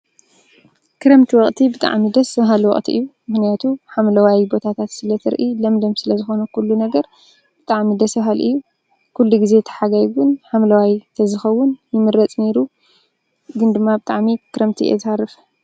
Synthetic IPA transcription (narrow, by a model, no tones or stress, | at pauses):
kɨɾɐmt̪ʰiwɔχʼt̪ʰibɨt̪ʼa̰ʕmid̪ɐsɐɦalwɔ̰χʼt̪ʰḭʔɨjːumɨxnijat̪ʰuħamlɐwajbo̞t̪ʰat̪ʰat̪sɨlɐt̪ʰɨɾʔilɐmd̪omsɨlɐzɨxo̞nɐkʰulːunɐɡɐɾ | b̥ɨt̪ʼaʕmid̪ɐsɐɦalʔɨ̰jːu | kʰulːuɡize̞t̪ʰɐ̥ħaɡajɡʊnħamlɐwajt̪ʰɐzɨxɐwːʊnjɪmɨɾɐt͡sʼne̞ɾu | ɡɨnd̪ɨmːabɨt̪ʼaʕmikʰɨɾɐmt̪ʰiʔḛzharɨf